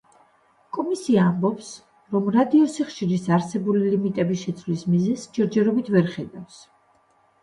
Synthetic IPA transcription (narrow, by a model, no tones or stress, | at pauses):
kʼɔmisiaːmbɔps | ɾɔmɾad̪iɔsiχʃiɾisaɾsɛbulilimit̪ʼɛbiʃɛt̪sʰvlismizɛsd͡ʒɛɾd͡ʒɛɾɔbit̪ʰvɛɾχɛd̪afs